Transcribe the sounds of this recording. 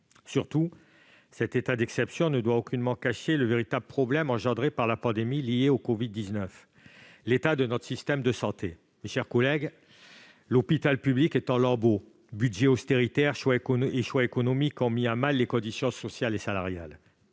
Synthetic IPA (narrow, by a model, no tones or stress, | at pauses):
syʁt̪u | sɛt̪et̪ad̪ɛksɛpsjɔ̃nəd̪waokʲynmɑ̃kaʃeləveʁit̪abləpχɔblɛmɑ̃ʒɑ̃d̪ʁepaʁlapɑ̃d̪emilieokɔvid̪ːiznœf | let̪ad̪ənɔt̪χə̥sist̪ɛmd̪əsɑ̃t̪e | meʃɛʁkɔlɛɡ | lɔpit̪alpyblikɛt̪ɑ̃lɑ̃bo | byd̪ʒeɔst̪eʁit̪ɛʁʃwaekɔeʃwaekɔnɔmikɔ̃miamalːekɔ̃d̪isjɔ̃sɔsjalesalaʁja̰l